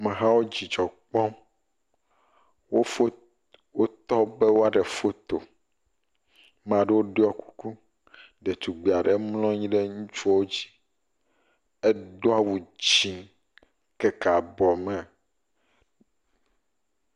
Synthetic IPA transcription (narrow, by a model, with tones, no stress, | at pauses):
mɛ̃˨ɦã˦wo˦d͡ʑi˨d͡ʒɔ˨k͡pɔ˦m | wo˦o˦ | wo˦t̪ɔ˦be˦wo˦a˦ɖɛ˨fo˦t̪o˨ | mã˨ɖɛ˦wo˦ɖe˦ɔ˦ku̥˦ku˦ | ɖe˨t̪u˨ɡ͡bi˨a˨ɖe˨mlɔ̃˦ɲĩ˦ɖe˦ŋũ˦t͡ʃu˦ɔ˦wo˦d͡ʑi̥˦ | ɛ˦ɖo˦a˦wu˨d͡ʑi˨ŋ | kɛ˦ka˨bɔ˨mɛ̃˨